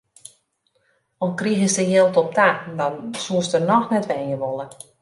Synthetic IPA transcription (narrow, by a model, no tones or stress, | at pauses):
ɔnkriɣəsdəjelˠtɔp̚tadɔnsuəstərnɔxnɛtʋɛnjəʋolˠə